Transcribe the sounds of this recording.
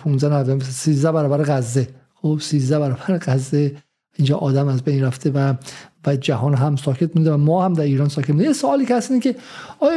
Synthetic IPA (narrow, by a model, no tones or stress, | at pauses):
pʰunzænævæd̪siːzd̪æbæɾɒːbæɾeɣæzːe | xobsiːzd̪æbæɾɒːbæɾeɡæzːe | ind͡ʒɒːʔɒːd̪æmæzbejnɾæft̪ʰevævæd͡ʒæɦɒːnɦæmsɒːkʰet̪̚mund̪evæmɒːhæmd̪æɾiːɾɒːnsɒːkʰet̪munejesoɒːliːkʲehæst̪inikʲe | ɒːj